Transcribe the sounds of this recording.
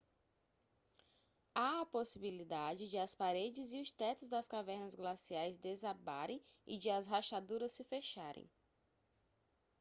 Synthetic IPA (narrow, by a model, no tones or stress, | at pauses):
aɐposibilid̪ad͡ʒɪd͡ʒɪɐspaɾed͡ʒɪziʊst̪ɛt̪ʊzd̪ɐskavɛɾnɐzɡlasiajzd̪ezaba̰ɾḛ̃j̃ɪ̰d͡ʒɪɐsɦaʃad̪uɾɐssɪfeʃaɾʔḛ̃j̃